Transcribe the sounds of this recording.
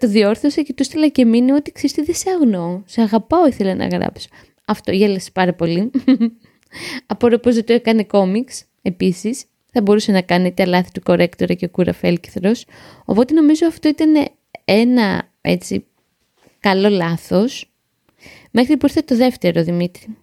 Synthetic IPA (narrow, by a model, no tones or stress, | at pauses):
t̪o̞ðio̞ɾθosɐcit̪ust̪elɐce̞minio̞t̪iksest̪eðeseɐɣnoseɐɣɐpɐoiθe̞lenɐ̰ɣɾɐ̰pso̥ | ɐft̪oʝelese̥pɐɾɐpo̞li | ɐpoɾopozðet̪oekɐne̞ko̞miks | e̞pisis | θɐbo̞ɾuse̞nɐkɐnet̪eɐlɐθi̥t̪uko̞ɾe̞kt̪o̞ɾɐceokuɾɐ̰fe̞lci̥θɾo̞s | o̞̰po̞t̪e̞no̞mizo̞ɐft̪oit̪ɐne̞̰ | enɐ̰ | e̞̰t͡sḭ | kɐlo̞lɐθo̞s | me̞xɾipuiɾθet̪o̞ðe̞ft̪e̞ɾo̞ðimit̪ɾi